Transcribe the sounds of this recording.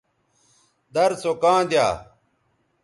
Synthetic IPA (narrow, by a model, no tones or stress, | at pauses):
d̪ɐɾsokãːd̪ja̰ː